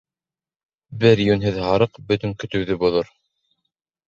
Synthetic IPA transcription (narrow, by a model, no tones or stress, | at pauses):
bɘɾjʉnɦɘðhɑɾɤqbɵ̆t̪ɵŋkɵ̆t̪ɵ̆wðɵbuðoɾ